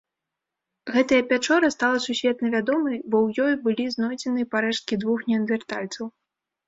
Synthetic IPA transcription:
ɣɛt̪ɐjɐpʲat͡ʂɔɾɐst̪alˠɐsusʲvʲɛt̪nɐvʲad̪ɔmɨjbɔwjɔjbɨlʲiznɔjd͡zʲɛnɨpaɾɛʂt̪̚kʲid̪vuxnʲɛnvʲɛrt̪alʲt̪sɐw

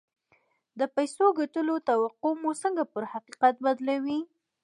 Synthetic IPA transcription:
d̪əpajsoɡaʈəlot̪awaqomusəŋɡapəɾhaqiqat̪̚bad̪lawi

